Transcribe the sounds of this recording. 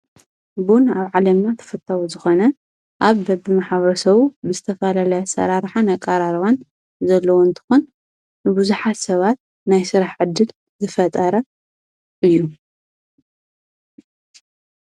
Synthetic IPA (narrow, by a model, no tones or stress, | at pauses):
bunaβʕalɐmnat̪ʰɐ̥fɐt̪ʼːawuzɨxo̞nɐ | ʔaβbɐbɨmaħβɐɾɐsɐβubɨzɨt̪ʰɐfɐlalɐjɐsɐ̰ɾaɾħanɐkʼaɾaɾwan | zɐlːɐwoɨnt̪ʰɨ̥xun | bɨbuzuħat̪sɐβat̪̚ | najsɨɾaħʕɨd̪ːɨl | zɨfɐt̪ʼɐɾɐ | ʔɨjːu